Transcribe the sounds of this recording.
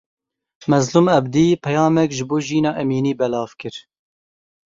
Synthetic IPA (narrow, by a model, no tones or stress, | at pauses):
mɛzluːmɛbd̪iːpʰɛjɑːmɛkʒɨboːʒiːnɑːʔɛmiːniːbɛlɑːvkɨɾ